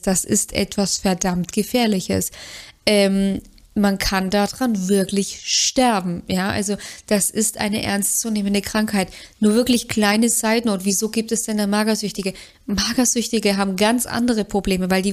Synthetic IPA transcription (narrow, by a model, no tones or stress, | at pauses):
d̥asɪ̰stʔɛ̰tv̥asfɛɐdamtɡ̥əfɛːɐlɪçə̰sʔɛːm | mankʰandadʁanvɪɐklɪçʃtɛɐbm̩jaːʔa̰lzod̥asɪstʔa̰ɪnəʔɛ̰ɐnstt͡suːneːməndəkʁ̥aŋkhaɪtnuːɐvɪɐklɪçkl̥aɪnəzaɪdn̩ʊntv̥iːzoːɡiːp̚tɛsd̥ɛndamaːɡɐzʏçtɪɡə | maːɡɐzʏçtɪɡəɦaːbm̩ɡant͡sʔa̰ndəʁ̞əpʁ̥obleːməvaɪldiː